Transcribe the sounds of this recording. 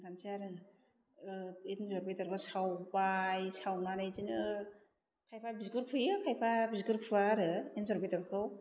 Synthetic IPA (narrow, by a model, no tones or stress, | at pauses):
ɡansʰiaɾɯ | enzɔɾbejtɔɾbɯsawbajsawnanɯjzinɯ | kʰajpʰabizɡɯɾpʰɯjɯkʰajpʰabisɡɯɾpʰɯaɾɯenzɔɾbejtɔɾkʰɯw